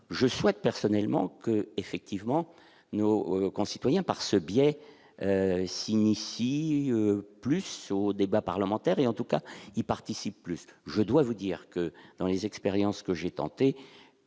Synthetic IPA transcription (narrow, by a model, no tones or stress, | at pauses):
ʒəswɛt̪̚pɛʁsɔnɛlmɑ̰̃kəefɛk̚t̪ivmɑ̃ | nokɔ̃si̥t̪wajɛ̃paʁsəbjɛ | sinifiøplysod̪ebapaʁləmɑ̃t̪ɛʁeɑ̃t̪ukailpaʁt̪isipːlysʒəd̪wavud̪iʁkəd̪ɑ̃lezɛkspeʁjɑ̃skəʒet̪ɑ̰̃t̪e